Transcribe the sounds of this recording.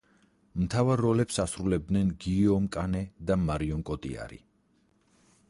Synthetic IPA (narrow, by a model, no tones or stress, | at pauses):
mt̪ʰavaɾːɔlɛpsasɾulɛb̚d̪nɛnɡiɔmkʼanɛd̪amaɾiɔŋkʼɔt̪ʼḭa̰ɾḭ